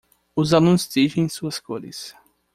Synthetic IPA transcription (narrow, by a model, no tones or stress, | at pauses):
ʊzalũst̪iʒẽj̃suɐskoɾɪ̰s